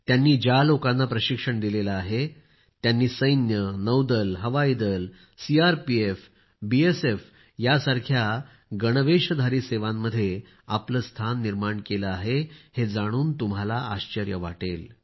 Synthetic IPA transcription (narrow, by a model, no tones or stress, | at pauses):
t̪janːiːd͡ʑjalokãnːapɾəɕikʂəɳd̪ilelaaɦe | t̪janːiːsəjnjənəwd̪əlɦəʋaid̪əl | siaɾpief | biesef | jasaɾkʰja | ɡəɽ̃əʋeɕəd̪ʱaɾiːseʋamːəd̪ʱːje | apləst̪ʰanːiɾmaɳkeləaɦehed͡zaɽ̃uːnt̪umɦalaaɕt͡ɕəɾjəʋa̰ʈel